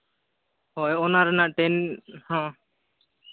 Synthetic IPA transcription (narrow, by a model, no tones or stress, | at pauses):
hɔjɔnaɾɛnaʔʈɛnhɔ̃